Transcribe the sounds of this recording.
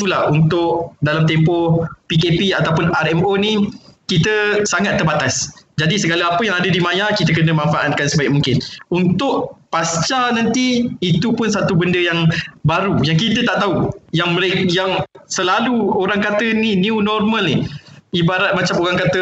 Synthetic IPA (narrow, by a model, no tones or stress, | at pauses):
ulahunt̪ʊʔdalamt̪ɛmpɔpikepiat̪awpʊnaɾɛmonĩkit̪əsaŋat̪ːərbat̪asd͡ʒadisəɡalaapəjaŋadədimãjakit̪əkənəmãnfaʔat̪̚kansəbajk̚mũŋkɪnunt̪ʊʔpast͡ʃanãnt̪iːt̪upʊnsat̪ubəndəjaŋbaɾujaŋkit̪ət̪aʔt̪aujaŋməɾekjaŋsəlaluoɾaŋkat̪əniniunɔrmə̃lniibaɾat̪̚mat͡ʃamoɾaŋkat̪ə